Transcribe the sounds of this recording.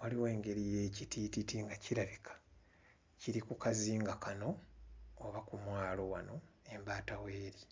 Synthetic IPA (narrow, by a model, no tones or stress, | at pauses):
waliwe̞ːŋɡe̞ɾijecitititiŋɡaciɾaβikʰḁ | ciɾikukaziːŋɡakano̞ː | βakumwaːlo̞wano̞e̞mbaːtaweːɾi